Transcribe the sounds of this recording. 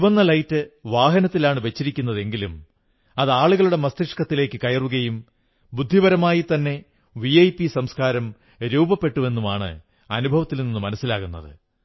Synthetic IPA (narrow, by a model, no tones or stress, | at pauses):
iʋɐnːɐlɐjtːɨʋaːɦɐnɐt̪ːilaːɳɨʋe̞t͡ɕːiɾikʲːunːɐðe̞ŋɡilum | ɐðaːɭuɣɐɭuɽe̞mɐst̪iʂkɐt̪ːile̞ːkːɨkɐjɐruɣɐjum | bud̪ʱːibɐɾɐmaːjit̪ɐnːe̞ | ʋiɐjpisɐmskaːɾɐm | ɾuwbɐpːe̞ʈːuʋe̞nːumaːɳɨ̰ | ɐnubʱɐʋɐt̪ːilninːumɐnɐsːilaːɣunːɐðɨ̰